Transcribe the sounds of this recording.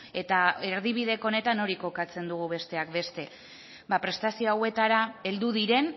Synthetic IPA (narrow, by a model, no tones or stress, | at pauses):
e̞t̪ae̞ɾðiβ̞iðe̞ko̞ne̞t̪ano̞ɾiko̞kat͡se̞nd̪uɣ̞uβe̞st̪e̞akbe̞st̪e̞ | bapɾe̞st̪asioawe̞t̪aɾae̞ld̪uðiɾe̞n